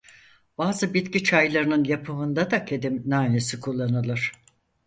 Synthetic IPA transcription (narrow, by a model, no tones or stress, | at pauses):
b̥aːzɯbit̪cit͡ʃʰajlˠaɾɯnɯnjapʰɯɦɯnd̪ad̪akʰed̪imnaːnesikʰulˠːanɯlˠɯɾ̥